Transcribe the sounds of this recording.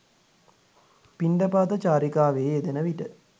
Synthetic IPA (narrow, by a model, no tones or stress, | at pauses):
piɳɖəpaːt̪ət͡ʃaːɾikaːʋeːed̪enəʋiʈə